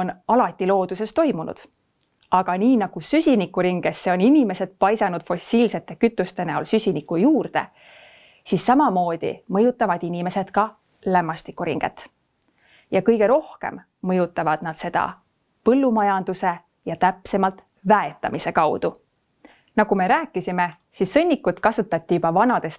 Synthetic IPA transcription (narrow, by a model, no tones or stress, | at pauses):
onɑlɑt̪ʲːˑilo̞ːd̪̥use̞st̪o̞jmunṵd̪̥ | ɑɡ̥ɑniːnɑɡ̥usysʲinikːˑuɾiŋɡ̥esːeo̞ninime̞se̞d̪̥̚pɑjsɑnud̪̥fo̞silse̞t̪ːˑe̞kyt̪ːˑust̪e̞neolsysʲinikujuːrd̪e̞̰ | sisːɑmɑmo̞ːd̪̥ḭmɤjut̪ːˑɑvɑd̪̥inime̞se̞d̪̥kɑ | læmːɑst̪ikːˑuɾḭŋɡ̥e̞̰t̪ː | jɑkɤjɡ̥e̞ɾo̞hke̞̰mː | ɤjut̪ːˑɑvɑd̪̥nɑd̪̥se̞d̪̥ɑ̰ | pɤlːumɑjɑnd̪̥use̞ | jɑt̪æpse̞mɑlt̪ˑ | væe̞t̪ːˑɑmise̞kɑwd̪̥u | nɑɡ̥ume̞ɾæːkːˑisime̞ | sisːɤ̞nʲːikːut̪kɑsut̪ːˑɑt̪ʲːiub̥ɑvɑnɑd̪e̞s